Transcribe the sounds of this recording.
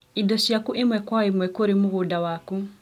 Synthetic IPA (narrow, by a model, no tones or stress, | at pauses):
idɔʃjakuʔemwɛkwaemwɛkoɾemuɣudawaku